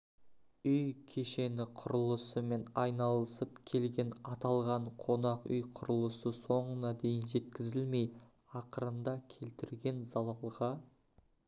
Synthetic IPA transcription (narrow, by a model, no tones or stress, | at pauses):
ʏjkʲʰe̞ʃe̞nɪqʰʊɾəlˠəsəme̞nɑjnɑlˠəsəp̚kʲʰe̞lɡʲe̞nɑt̪ɑlˠʁɑɴqʰo̞nɑqʏ̰jqʰʊɾəlˠəsəso̞ɴənɑd̪e̞jɪnʒe̞t̪kʲɪzɪlme̞j | ɑqəɾənd̪ɑkʲʰe̞lt̪ɪɾɡʲe̞nzɑlˠɑlˠʁɑ